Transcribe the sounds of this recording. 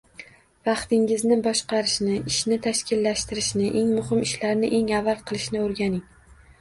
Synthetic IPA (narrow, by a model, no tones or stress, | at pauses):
vɑqt̪ɪŋɪznɪbɒʃqɑɾɪʃnɪɪʃnɪt̪ʰaʃkʲɪlːaʃt̪ɪɾɪʃnɪʔe̞ŋmʊhɪmɪʃlaɾnɪʔe̞ŋavːalˠqʰɨlˠɪʃnɪoɾɡʲanɪŋ